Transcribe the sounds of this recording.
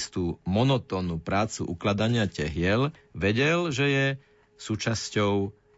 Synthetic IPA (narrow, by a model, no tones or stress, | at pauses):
st̪uːmɔnɔt̪ɔːnupɾaːt͡sṵʔṵklad̪aɲɪacɛɦɪɛlʋɛɟɛlʒɛjɛ | suːt͡ʃascɔʊ